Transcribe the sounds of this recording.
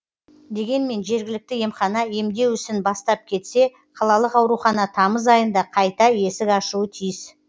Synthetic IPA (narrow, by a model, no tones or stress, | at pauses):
d̪e̞ɡʲe̞nme̞nʒe̞ɾɡʲɪlɪk̚t̪ɪje̞mχɑnɑe̞md̪e̞wʏsɪnbɑst̪ɑp̚kʲʰe̞t̪se̞ | qʰɑlˠɑlˠəqɑwɾuχɑnɑt̪ʰɑməzɑjənd̪ɑqʰɑjt̪ɑe̞sɪkɑʃuwət̪ʰijɪs